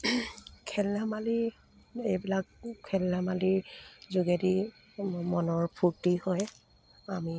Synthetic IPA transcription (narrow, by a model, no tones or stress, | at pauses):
kʰɛlːamali | ejbilak̚kʰːɛlːamaliɹzuɡedi | mɔnɔɹpʰuɹtihɔj | ami